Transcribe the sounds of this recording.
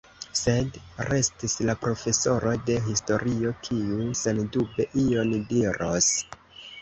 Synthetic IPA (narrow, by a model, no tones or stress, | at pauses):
se̞dɾe̞stislapɾo̞fe̞so̞ɾo̞jde̞ɦisto̞ɾio̞kʰiuse̞ndube̞ʔio̞ndiɾʔos